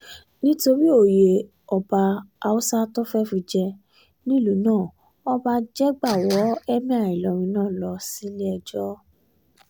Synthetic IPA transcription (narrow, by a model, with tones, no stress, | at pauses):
nĩ˦to˧ɾi˦o˦˨je˨ | ɔ˨ba˧a˧u˦sa˦tɔ˦fɛ˦fũ˧d͡ʒɛ˧ | nĩ˦lu˨˦nãː˦˨ | ɔ˦ba˧d͡ʒɛ˦ɡ͡ba˦˨wɔ˨˦ɛ˦mĩ˦a˦˨i˨lɔ˨ɾ̃ĩ˧˦nãː˦˨lɔ˨˧si˨˦lɛ˦ɛ˧d͡ʒɔ˦